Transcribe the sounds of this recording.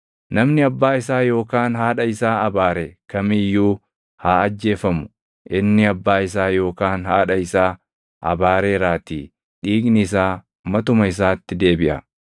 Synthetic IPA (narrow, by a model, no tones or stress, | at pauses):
nɐmnɪɐbːaːɪsaːjo̞ːkaːnɦaːᶑɐɪsaːɐbaːɾɛkɐmɪjːuː | haːɐd͡ʒːe̞ːfɐmʊ̥ | ʔɪnːɪɐbːaːɪsaːjo̞ːkaːnhaːᶑɐɪsaː | ʔɐ̰baːɾeːɾaːt̪iː | ᶑiːɡnɪɪs̬aː | mɐt̪ʊmɐɪs̬aːt̪ːɪd̪e̞ːbɪʔɐ